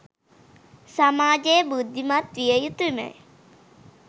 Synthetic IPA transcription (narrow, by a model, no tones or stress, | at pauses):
samaːd͡ʒejəbud̪ʱːimat̪ʋijəjut̪umə̰